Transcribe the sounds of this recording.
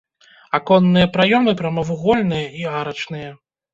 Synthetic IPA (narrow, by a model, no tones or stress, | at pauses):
akɔnːɨjɐpɾajɔmɨpɾɐmɐvuɣɔlʲnɨjɐiaɾɐt͡ʂnɨjɐ